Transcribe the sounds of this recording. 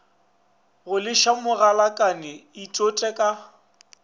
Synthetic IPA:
ɣʊlɪʃamʊɣalakʼanɪitʼotʼɛkʼa

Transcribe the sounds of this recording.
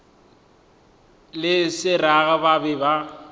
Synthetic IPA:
lɪsɪraɣababɪba

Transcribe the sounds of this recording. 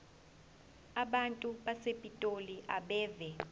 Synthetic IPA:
aɓantʼuɓasepʼitʼoliʔaɓɛːvɛ

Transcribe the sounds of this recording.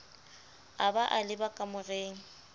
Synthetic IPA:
abaʔalɪbakʼamʊreːŋ̩

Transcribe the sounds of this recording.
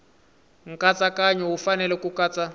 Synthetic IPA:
ŋ̩kat͡sakaɲɛwufanɛlɛkukaːt͡sʼa

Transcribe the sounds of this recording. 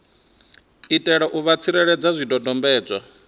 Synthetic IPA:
itʼɛɺɔʔuβat͡sʰiɾɛɺɛd͡zazʷidɔdɔmbɛːd͡zʷa̰

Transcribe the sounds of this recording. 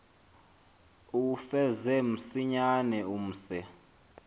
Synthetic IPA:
ufɛzɛm̩siɲanɛum̩ːsɛ

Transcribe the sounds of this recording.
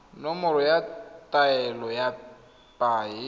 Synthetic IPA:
nɔmɔɾɔjatʼaɛlɔja | pʼaːɪ

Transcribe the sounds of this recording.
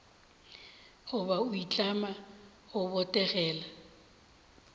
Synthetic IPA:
ɣʊbaʊit͡ɬʼama | ɣʊbɔtʼɛɣɛːla

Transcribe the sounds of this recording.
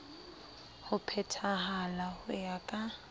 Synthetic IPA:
hʊpʰɛtʰahalahʊjakʼa

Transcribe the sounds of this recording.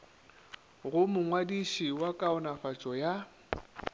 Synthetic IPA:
ɣʊmʊŋwadiʃiwakʼaʊnafat͡ʃʼɔja

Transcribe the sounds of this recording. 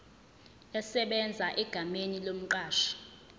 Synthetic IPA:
ɛsɛɓɛnd͡zʱaʔɛɡ̥ʱamenilom̩ǃaːʃɔ̥

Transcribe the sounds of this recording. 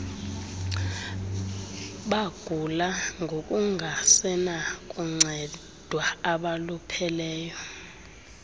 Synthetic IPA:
ɓaɡ̥ʱulaŋʱokʼuŋʱasɛnakʼuŋ͡ǀʱɛ | d̥ʱwaaɓalupʰɛlɛːjɔ

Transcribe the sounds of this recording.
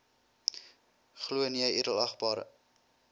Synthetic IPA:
χluəniəjidəlɐχbɑːɾ

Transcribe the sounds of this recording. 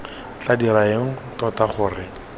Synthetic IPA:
t͡ɬadiɾaeŋ̩tɔtaχʊːrɪ

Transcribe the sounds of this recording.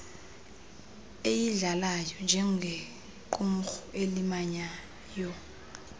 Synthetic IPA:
ejiɮalajɔnd͡ʒʱɛŋ̩ɡʱe | ǃʼum̩xɔʔelimaɲa | jɔ

